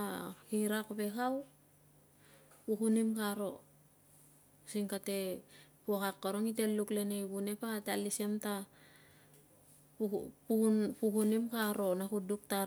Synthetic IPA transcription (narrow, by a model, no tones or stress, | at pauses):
ahiɾakbe̞kaw | pukunimkaɾo̞ | siŋkate̞pukakːaɾoŋite̞lːukle̞nejβune̞patalise̞mta | pupukunimkaɾo̞nakuduk̚ta